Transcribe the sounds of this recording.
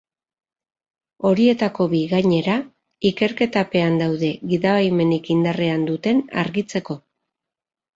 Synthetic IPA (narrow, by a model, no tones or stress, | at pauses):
o̞ɾie̞t̪ako̞βiɣaɲe̞ɾa | ike̞ɾke̞t̪ape̞and̪awðe̞ɣiðaβajme̞nikind̪are̞and̪ut̪e̞na̰ɾɣit͡se̞ko̞